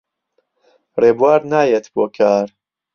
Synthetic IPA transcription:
reːbuwaːɾnaːjet̪boːkʰaːɾ

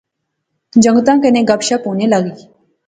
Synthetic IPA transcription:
d͡ʑəŋɡt̪ãkenẽɡapɕaponelaɡiː

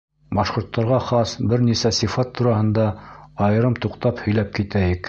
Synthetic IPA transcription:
bɑʃqŏɾt̪ːɑɾʁɑχɑsbɘɾnisæsifɑt̪ːuɾɑhɤ̆nd̪ɑɑjɤ̆ɾɤmt̪uqt̪ɑphɵ̆jlæp̚kit̪æjɘk

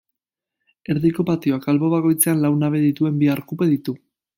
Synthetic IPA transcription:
e̞ɾðiko̞pat̪io̞akalβo̞βako̞jt͡se̞anlawnaβe̞ðit̪ue̞mbiaɾkupe̞ðit̪u

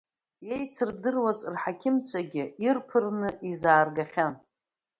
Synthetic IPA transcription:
jejt͡sʰɨrdɨrwat͡sʼrħakʲʰɪmt͡ɕʷʰaɡʲɪirpʰɨrnɨʔizaːrɡaχʲan

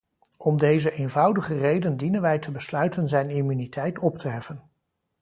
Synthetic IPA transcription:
ɔmdejzəʔejnvɑwdəχərejdəndinənʋɛjtʰəbəslœɥtənzɛjnimynitʰɛjtɔptəɦɛfən

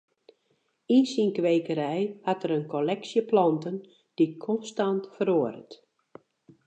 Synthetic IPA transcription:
insiŋkʋejkəɾɛjhatəɾənkʰolɛksjəplɔntən | d̥ikʰɔnstantfəɾoəɾə̰t

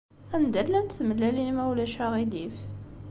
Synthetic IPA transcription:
ænd̪ælːænt̪θməlːælinmæwlæʃæʁid̪if

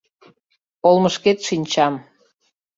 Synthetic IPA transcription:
olməʃket̪ʃinʲt͡ɕɑm

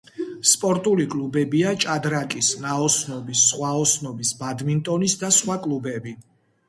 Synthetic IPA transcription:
spʼɔɾt̪ʼulikʼlubɛbiat͡ʃʼad̪ɾakʼisnaɔsnɔbisːχwaɔsnɔbisbad̪mint̪ʼɔnisd̪asχwakʼlˠubɛbi

